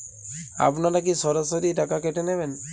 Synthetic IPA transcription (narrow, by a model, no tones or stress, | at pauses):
a̰pnaɾak̬isɔɾasoɾiʈakakeʈeneβen